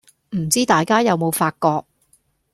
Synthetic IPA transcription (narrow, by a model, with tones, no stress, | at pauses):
m̩˨˩t͡siː˥t̪aː˨jkaː˥jɐ˨˧wmo˨˧wfaː˧t̚kɔː˧k̚